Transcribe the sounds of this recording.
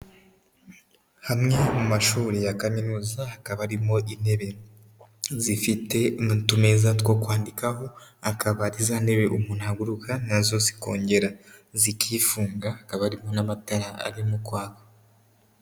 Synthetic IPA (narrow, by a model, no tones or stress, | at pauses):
hamŋamumaʃuːɾijakaminuzahakaβaɾimo̞ʔine̞βe̞ | zifite̞tume̞zatkwo̞kwaːndikaɦo̞akʰaβaɾizane̞βe̞ʔumuːnuaɡuɾukʰanazo̞ziko̞̰ːɲɟe̞ɾazikʰiːfuːŋɡahakaβaɾimo̞namataɾaa̰ɾimukwaːkḁ